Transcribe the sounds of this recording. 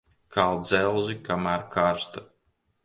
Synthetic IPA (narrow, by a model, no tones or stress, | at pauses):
kʰalˠd̪zɛlˠzikamæːɾkʰaɾst̪a